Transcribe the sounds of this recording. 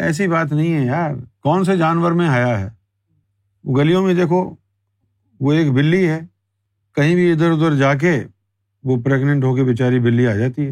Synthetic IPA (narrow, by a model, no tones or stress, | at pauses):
ɛ̰ːs̬ibaːt̪nɐɦĩɦɛ̃jaːɾkɔːns̬ed͡ʒaːnʋəɾmẽɦaːjaɦɛ̰ː | oɡɐlijõmẽd̪eːkʰo | ʋoeːkbɪlːiɦɛː | kɐɦĩbʱiɪd̪əɾʊd̪əɾd͡ʒaːk̬e | ʋopɾeːɡnə̃ɳʈɦoːkebɪt͡ʃaːɾibɪlːiaːd͡ʒaːt̪iɦɛː